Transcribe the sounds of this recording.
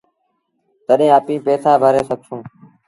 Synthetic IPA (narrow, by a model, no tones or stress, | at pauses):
t̪əɗẽːaːpĩːpeːsaːbʱəɾeːsəɡ̚ʱsũː